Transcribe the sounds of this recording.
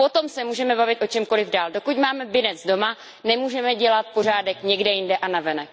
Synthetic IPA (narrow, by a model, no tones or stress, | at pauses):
po̞t̪o̞msɛmuːʒɛmɛbavɪt̪ʔo̞t͡ʃɛmko̞lɪvdaːldokucmaːmɛbɪnɛd͡zdo̞ma | nɛmuːʒɛmɛɟɛlat̪̚por̝aːdɛkɲɛɡdɛjɪndɛʔanavɛnɛk